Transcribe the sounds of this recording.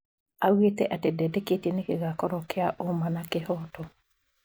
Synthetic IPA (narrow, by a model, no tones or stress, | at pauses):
aɣwetɛ̰ʔatedɛdeketenekeɣakɔɾɔkeaʔomanakehɔtɔ